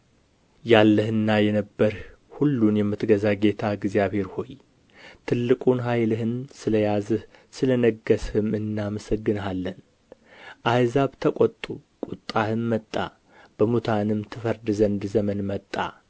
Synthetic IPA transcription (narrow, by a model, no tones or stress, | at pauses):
jalːəhɨnːajɛnəbːəɾh | hulːunjɛmːɨt̪ɡəzaɡe̞t̪ʰaɡzijaβhe̞ɾho̞j | t̪ʰɨlːɨkʼunɦajlɨɦɨnsɨləjazɨhsɨlənəɡːəshɨmɨnːaməsəɡːɨnalːən | ʔajzaβt̪ʰəkʷʼɔt̪ʼːukʼut̪ʼːahɨnmət̪ʼːa̰ | b̥əmut̪ʰanɨmt̪ʰɨfəɾd̪ɨzənd̪zəmənmət̪ʼːa̰